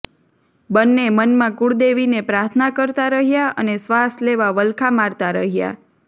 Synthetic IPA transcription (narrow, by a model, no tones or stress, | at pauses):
bənːemənmãkuɽd̪eʋinepɾaɾt̪ʰnakəɾt̪aɾəɦjaənesʋasleʋaʋəlkʰamaɾt̪aɾəɦja̰